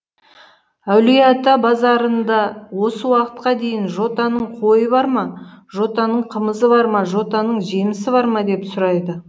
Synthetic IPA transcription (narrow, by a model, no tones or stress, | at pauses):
æwlijɑt̪ɑbɑzɑɾənd̪ɑwo̞səwɑqə̥t̪̚qɑd̪e̞jɪnʒo̞t̪ɑnəɴqʰo̞jəbɑɾmɑʒo̞t̪ɑnəɴqʰəməzəβɑɾmɑʒo̞t̪ɑnəɴʒemɪsɪbɑɾmɑd̪e̞psʊɾɑjd̪ə